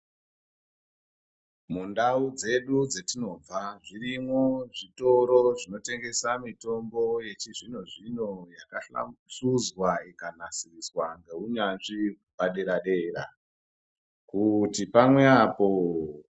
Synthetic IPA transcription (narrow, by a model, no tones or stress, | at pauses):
mundaud͡ze̞ɗud͡zetino̞b͡vaʐirimwo̞ʐito̞ɾo̞ʐino̞te̞ŋɡe̞samito̞mbo̞je̞t͡ʃiʐinoʐinojakaa̰ʂuzwaikanasiriswaŋɡe̞uɲanʐi | paɗe̞ɾaɗe̞ːra̰ | kutipamwe̞apo̞